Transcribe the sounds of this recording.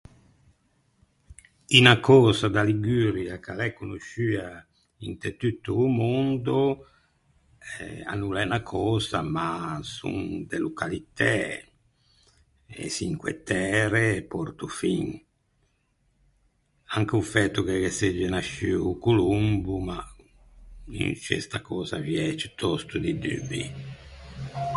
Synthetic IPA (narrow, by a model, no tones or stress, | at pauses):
inakɔːzad̪aliɡyɾjakalɛkːunuʃyːa | int̪et̪yt̪ːuːmond̪o | ɛa̰nulɛnakʰɔːza̰masṵŋd̪elukalit̪ɛ̰ | ḛsiŋkwḛt̪ːɛːɾepɔɾt̪ufiŋ | aŋk̟eufɛt̪ːukekesːed͡ʒːenaʃiukulumbuma | ḭnt͡ʃḛst̪akɔːzavjɛt͡ʃi̥t̪ʰɔst̪ud̪id̪y̰bḭ